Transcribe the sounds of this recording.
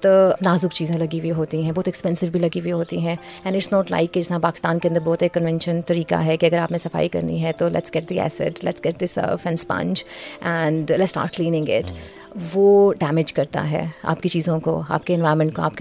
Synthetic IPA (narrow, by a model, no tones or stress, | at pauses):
t̪laːzʊkt͡ʃiːzẽlɐɡiwiɦoːt̪iɦɛ̃bɔːt̪ɛkspɛ̃nsɪʋbʱilɐɡiwiɦoːt̪iɦɛ̃ | ɛ̃nɖɪʈsnɔːʈla̰ɪkːed͡ʒɪsnãpaːkɪ̥st̪aːnkeɐ̃nd̪əɾbɔːt̪eːkːɐ̃nʋɛ̃nʃə̃nt̪ɐɾiːka̰ɦɛkiɐɡəɾaːpnẽsɐfa̰ːikɐ̰ɾnḭɦɛt̪olɛ̰ʈsɡ̥ɛʈ̚d̪iæ̰ːsɪ̰ʈlɛ̰ʈsɡ̥ɛʈ̚d̪ɪsə̰fɛ̃nspɐ̰̃nt͡ʃʔɛ̃ɳɖlɛsːʈa̰ːɾʈ̚klĩːnɪ̃ŋɡɪ̰ʈ | ʋoːɖæːmɪd͡ʒkɐɾt̪a̰ɦɛ̰ːa̰ːp̚kit͡ʃiːzõko̰a̰ːp̚keɛ̃nʋaːɪɾmɛ̃ɳʈ̚koa̰ːp̚k